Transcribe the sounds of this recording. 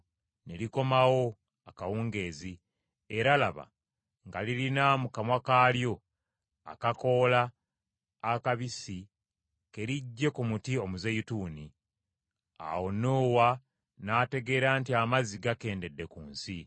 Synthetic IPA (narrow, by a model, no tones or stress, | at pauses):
ne̞liko̞mawo̞ | akawuːŋɡe̞ːzi | e̞ɾalaβa̰ | ŋɡalilinamukamwakaljo̞ | a̰kako̞ːlaː | kaβisi | ke̞ɾiɟːe̞kumutio̞muzejutuːni | a̰wo̞noːwa | naːte̞ɡe̞ːɾaːntiamaziɡake̞ːnde̞dːe̞kuːnsi